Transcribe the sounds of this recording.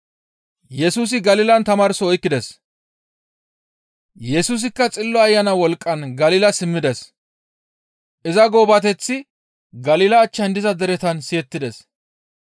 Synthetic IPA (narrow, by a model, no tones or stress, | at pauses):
jɛsuːs̬ɪɡɐliːlɐnt̪ɐmaːɾsɔɔjkːɪd̪ɛs | jɛsuːs̬ɪkːɐt͡sʼɪlːɔɐjːɐnɐwɔlkʼːɐnɡɐliːlɐsɪmːɪd̪ɛs | ʔɪzɐɡoːbɐt̪ɛt͡sːɪ | ɡɐliːlɐːt͡ʃːɐnd̪ɪzɐd̪ɛɾɛt̪ɐnsɪjɛt̪ːɪd̪ɛs